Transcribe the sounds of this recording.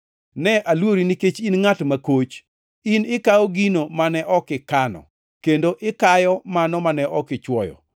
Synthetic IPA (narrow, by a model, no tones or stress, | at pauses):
nɛʔalwoɾiniket͡ʃinŋatmakot͡ʃ | inɪkaɔɡinomanɛʔɔkɪkanɔ̰ | kendoʔɪkajɔmanɔmanɛʔɔkɪt͡ʃwɔjɔ̰